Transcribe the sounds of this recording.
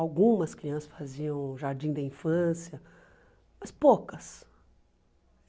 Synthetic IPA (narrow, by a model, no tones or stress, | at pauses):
awɡũmɐskɾiɐ̃sɐsfaziɐ̃w̃ʒaɾd͡ʒĩd̪ɐĩfɐ̃sjɐ | mɐspokɐs